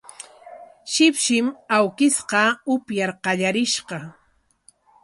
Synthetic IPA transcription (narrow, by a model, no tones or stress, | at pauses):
ʃɪpʃɪmawkɪsqɑʊpjaɾqɑʎaɾɪʃqɑ